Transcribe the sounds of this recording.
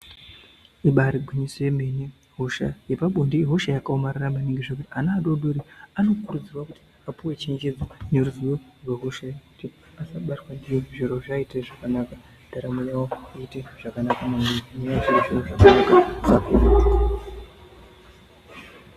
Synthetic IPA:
iɓaɾiɡʱwiɲisoemene | ɦo̞ʃa̰jepaɓondiɦo̞ʃajakaomariramaniŋɡeʐekutianaːɗodoɾiano̞kurud͡zirwakuti̥ | apuwe̞t͡ʃeɲd͡ʒe̞d͡zaneɾuzuworweɦo̞ʃajekuti | asaɓatwandijeʐiɾoʐaiteʐakanaka | d̥aɾamujawouiteʐ̥akanakamameɲaaʐiʐiroʐakanakaaku

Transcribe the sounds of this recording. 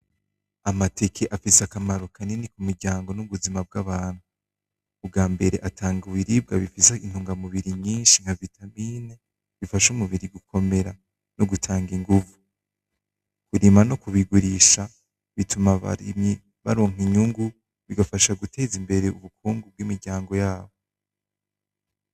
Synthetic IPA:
amate̞kʰe̞ʔafiseakamaɾo̞kʰanenikumiɾɟaːŋɡo̞nuβuzimab̚ɡaβaːn̥huː | bɡaːmbe̞ɾe̞̰ʔatʰaːŋɡuβiɾib̚ɡaβifisein̥huːŋɡamuβiɾiɲiːnʃiŋ̥havitamiːne | βifaʃumuβiɾiɡukʰo̞me̞ɾa | noɡutʰaːŋɡiŋɡuvu | kuɾimanokuβiɡuɾiʃa | βitumaβa̰ɾḭmɲi | βa̰ɾoːŋiɲuŋɡu | βiɡafaʃaɡutʰe̞ːzimbe̞ɾe̞uβukuːŋɡub̚ɡwiːmiɾɟaːŋɡo̞jaːβo

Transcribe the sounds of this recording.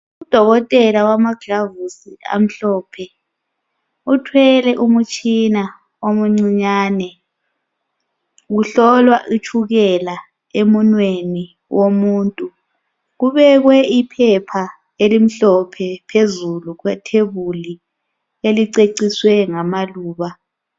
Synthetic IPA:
ud̥ʱɔɣɔtʼɛlawamaɡ̥lavusia̰m̩ɬɔːpʰɛ | utʰwɛlɛʔumut͡ʃʼina | omuŋ͡ǀiɲaːnɛ | ɣuɬɔlwaʔit͡ʃʰuɣɛla | emunweni | womuːntʼu | ɣuβɛɣwɛipʰɛpʰa | elim̩ɬɔpʰɛpʰezuluɣwɛtʰeβuli | eliǀeǀiswɛŋamaluːβa

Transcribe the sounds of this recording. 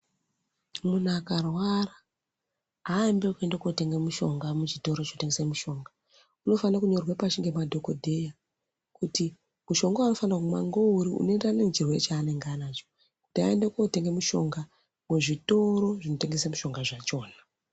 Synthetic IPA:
munakarwara | aembekue̞ndekuote̞ŋɡemuʃo̞ŋɡamut͡ʃito̞ɾot͡ʃinote̞ŋɡesemuʃo̞ːŋɡa | uno̞fanakuɲo̞rwapat͡ʃiŋɡe̞madʱo̞kodʱe̞ja | kuti | muʃo̞ŋɡaano̞fanakuma̰ŋɡo̞uɾiṵnendanemut͡ʃirwe̞t͡ʃaːne̞ŋɡanat͡ʃo | kuta̰endekuote̞ŋɡe̞muʃo̞ŋɡa | muʐito̞ɾo̞ʐinote̞ŋɡe̞semuʃo̞ŋɡaʐat͡ʃo̞ːna

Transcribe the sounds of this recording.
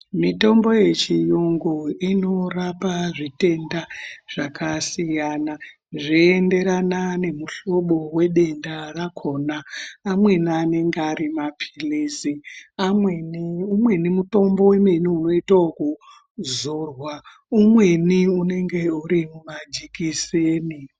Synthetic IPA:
mito̞mbo̞je̞t͡ʃijuŋɡuino̞rapaʐite̞ndaʐ̥akasijana | ʐiende̞ɾanane̞muɬo̞ɓo̞we̞ɗe̞ndarakʰo̞naːmwe̞niane̞ŋɡeaɾimapʰi̥liːsiamweniumwe̞nimuto̞mbo̞we̞meniuno̞itaoku | zorwa | umwe̞niune̞ŋɡe̞uɾimumad͡ʒikiseːni

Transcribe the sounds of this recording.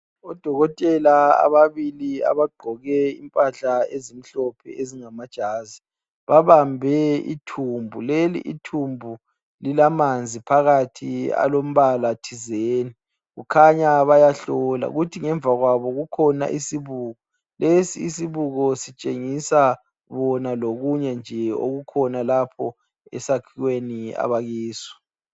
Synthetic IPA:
ɔd̥ʱɔɣɔtʼɛlaa̰βaβilia̰βaɡ͡ǃʱɔɣɛḭmpʼaɬaezim̩ɬɔpʰɛ̰ʔeziŋamad̥ʒ̥ʱaːzi | βaβambʱɛḭtʰumbʱulelḭʔḭtʰumbʱu | lilamand͡zʱipʰaɣatʰia̰lom̩βalatʰizeːni | ɣukʰaɲaβajaɬɔla̰ṵɣutʰiŋɛɱvʱaɣwaβɔɣukʰɔna̰ʔisiβuːɣɔ | lesiːsiβuɣɔsit͡ʃʼeŋisa | βɔnaloɣuɲɛnd͡ʒʱɛo̰ɣukʰɔnalapʰɔ | ɛ̰sakʰiɣwenia̰βaɣiːswɔ̥

